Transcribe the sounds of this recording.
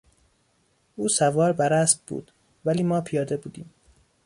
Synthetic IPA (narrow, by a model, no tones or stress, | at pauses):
ʔuːsævɒːɾbæɾæsb̚bṵːd̪̥ | væliːmɒːpʰijɒːd̪e̞buːd̪iːm